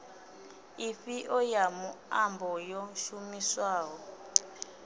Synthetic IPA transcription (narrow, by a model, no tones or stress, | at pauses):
ifiʔɔjamuambɔjɔʃumiswaːɦɔ